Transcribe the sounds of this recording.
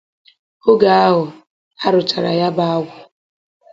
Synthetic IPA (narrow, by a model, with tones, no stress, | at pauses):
ʊ˦ɡa˨a˦ɦʊ˨ | a˦ɾʊ˨t͡ʃa˨ɾa̰˨ja˦ba˦a˦ɡʷʊ˨